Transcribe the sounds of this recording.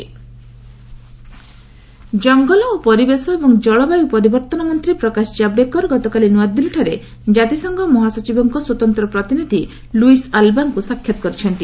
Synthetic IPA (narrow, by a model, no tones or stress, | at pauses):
d͡ʒɔŋɡɔlɔopɔɾibesɔebɔŋd͡ʒɔɭɔbajupɔɾibɔɾt̪ɔnɔmɔnt̪ɾipɾɔkasd͡ʒabɾekɔɾɡɔt̪ɔkalinuad̪ːilʈʰaɾe | d͡ʒat̪isɔŋɡɔmɔɦasɔt͡ʃibɔŋkɔswɔt̪ɔnt̪ɾɔpɾɔt̪inid̪ʱi | luisalbankusakʰːjɔt̪ɔ̥kɔɾit͡ʃʰɔnt̪i